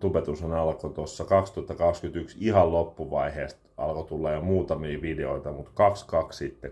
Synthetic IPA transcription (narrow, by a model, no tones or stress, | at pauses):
t̪upet̪usenɑlkot̪osːɑkɑkst̪uɑt̪ːɑkɑkskyt̪yksihɑllopːuʋɑiheːst̪ʔɑ̰lkot̪ulːɑjjomuːt̪ɑmiːʋideo̰it̪ɑmut̪kɑkskɑkssit̪ːe